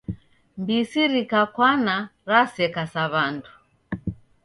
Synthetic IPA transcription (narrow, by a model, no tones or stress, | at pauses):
mbisiɾikakwanaɾasɛkasaβandu